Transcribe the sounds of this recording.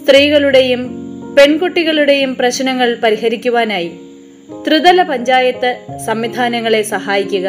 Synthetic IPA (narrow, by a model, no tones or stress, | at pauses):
st̪riːɣɐɭuɽe̞jumpe̞ɳkoʈːiɣɐɭuɽe̞jumprɐɕnɐŋːɐɭpɐɾiɦɐɾikʲːuʋaːnaːji | t̪rɨðɐlɐpɐɲd͡ʑaːjɐt̪ːɨsɐmʋid̪ʱaːnɐŋːɐɭe̞sɐhaːjikʲːuɣɐ